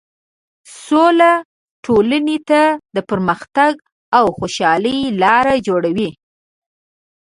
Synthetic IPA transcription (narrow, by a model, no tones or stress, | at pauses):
sola | ʈʰolənet̪ad̪əpəɾməxt̪aɡ | awxoʃɑləjlɑɾad͡ʒoɽawi